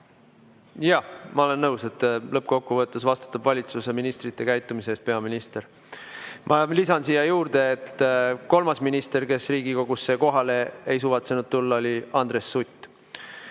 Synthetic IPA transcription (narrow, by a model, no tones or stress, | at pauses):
jɑmɑo̞le̞nːɤwse̞t̪ːlɤpːko̞kpːuvɤt̪ːˑesvɑst̪u̥t̪ːˑɑbvɑlʲit̪suse̞minist̪rit̪ːe̞kæjt̪ːˑumiseːst̪̚pe̞ɑminist̪e̞ɾ | mʔɑlisɑnsiːjɑjuːrd̪e̞ːt̪ːko̞lmɑsminist̪e̞rke̞sriːɡikoɡusːe̞ko̞ɦɑle̞ejs̬uːvɑt̪senud̪̥̚t̪ulːɑo̞lʲiɑnd̪̥re̞sːut̪ʲːˑ